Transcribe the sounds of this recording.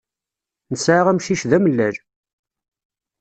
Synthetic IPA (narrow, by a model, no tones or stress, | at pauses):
nəsʕaʁæmʃiʃðæməlːæɾ